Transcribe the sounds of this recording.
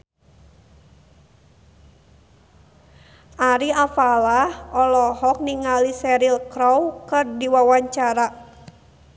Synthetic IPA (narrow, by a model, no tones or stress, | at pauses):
ʔaɾiafalahɔlɔhɔk̚niŋalisɛɾilkɾɔwkɨrdiwawaɲt͡ʃaɾa